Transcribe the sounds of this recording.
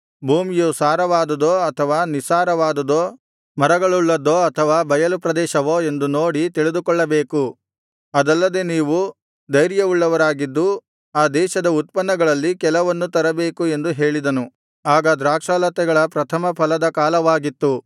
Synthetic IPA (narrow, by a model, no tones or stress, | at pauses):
bʱuːmijusaːɾɐʋaːd̪ɐd̪oːɐt̪ʰɐʋaːnisaːɾɐʋaːd̪ɐd̪oː | mɐɾɐɡɐɭuɭːɐd̪oːɐt̪ʰɐʋaːbɐjɐlupɾɐd̪ɛːʃɐʋoːe̞nd̪uno̞ːɽit̪iɭid̪ukɔɭːɐbeːku | ɐd̪ɐlːɐd̪e̞ːniːʋu | d̪ɐjɾjɐuɭːɐʋɐɾaːɡid̪ːu | aːd̪ɛːʃɐd̪ɐut̪̚pɐnːɐɡɐɭɐlːikɛlɐʋɐnːut̪ɐɾɐbe̞ːkue̞nd̪uɦe̞ːɭid̪ɐnu | aːɡɐd̪ɾaːkʂaːlɐt̪ɛɡɐɭɐpɾɐt̪ʰɐmɐpʰɐlɐd̪ɐkaːlɐʋaːɡit̪ːu